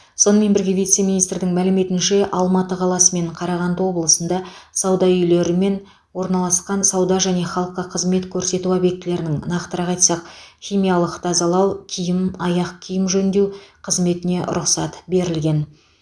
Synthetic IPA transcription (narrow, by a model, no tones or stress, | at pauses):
so̞nəme̞nbɪɾɡʲe̞vijt̪se̞mʲijnijst̪ɾd̪ɪŋmælɪme̞t̪ɪnʃe̞ʔɑlˠmɑt̪əqʰɑlˠɑsəme̞ɴqʰɑɾɑʁɑnd̪əwo̞blˠəsənd̪ɑsɑwd̪ɑʏjle̞ɾɪme̞n | wo̞ɾnɑlˠɑsqɑnsɑwd̪ɑʒæne̞χɑlˠəqːɑqʰəzme̞t̪kʲʰɵɾse̞t̪uɑbek̚t̪ːɪle̞ɾɪnɪŋnɑqt̪əɾɑʁɑjt̪sɑqχʲijmijɑlˠəqt̪ʰɑzɑlˠɑwkʲʰijɪmɑjɑqkʲʰijɪmʒɵnd̪e̞wqʰəzme̞t̪ɪne̞̰ɾʊqsɑt̪be̞ɾɪlɡʲe̞n